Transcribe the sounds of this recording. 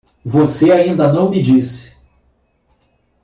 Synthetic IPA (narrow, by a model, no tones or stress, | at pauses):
voseaĩnd̪ɐnɐ̃w̃mɪd͡ʒisɪ̥